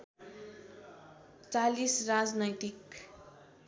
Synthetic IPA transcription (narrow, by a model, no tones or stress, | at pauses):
t͡salisrad͡znʌjt̪ik